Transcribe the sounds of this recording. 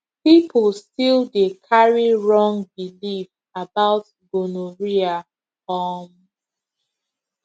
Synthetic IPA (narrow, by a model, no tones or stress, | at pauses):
pipʰlstildekʰaɹiɹɔ̃ŋbilif | abaʊt | ɡonoɹia | ɔm